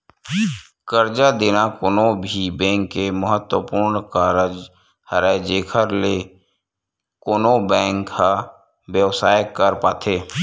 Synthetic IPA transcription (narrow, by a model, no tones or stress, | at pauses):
kəɾd͡ʒad̪eːnakoːnobʱibɛ̃ːŋkːeməɦət̪wəpuːɾnkaːɾəd͡ʒ | həɾad͡ʒeːkʰəɾle | koːnobɛ̃ːŋkha | bjəʋsaːjkəɾpaːt̪ʰeː